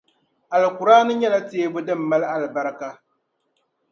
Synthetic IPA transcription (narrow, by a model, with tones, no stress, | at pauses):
a˨lɨ˨kʊ˨ɾaː˦nɨ˦ɲɛ˦la˦teː˦bʊ˦dɨ˦˨m̩ː˨a˦la˦lɨ˨ba˦ɾɨ˦ka˦